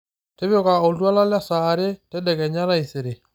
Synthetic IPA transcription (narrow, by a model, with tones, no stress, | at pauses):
te˦βjɔ˦ka˨o˨dwa˦la˦la˦sa˨ɾe˦tɛ˦dɛ˨kɛ˨ɲa˦la˦i˨sɪ˨ɾe˨